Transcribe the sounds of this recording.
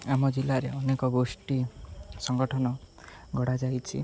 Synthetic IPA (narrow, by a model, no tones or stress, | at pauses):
amɔd͡ʒilaɾeɔnekɔɡosʈisɔŋɡɔʈʰɔnɔ | ɡʱɔɽad͡ʒajt͡ʃʰḭ